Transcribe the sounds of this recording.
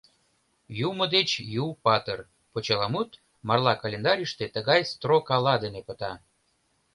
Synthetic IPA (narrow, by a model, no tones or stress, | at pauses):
jumə̆d̪et͡ɕjupɑt̪ər | pot͡ɕɑlɑmut̪ | mɑrlɑkalʲend̪ɑɾʲiʃt̪et̪əɣɑjst̪rokɑlɑd̪enepə̆t̪ɑ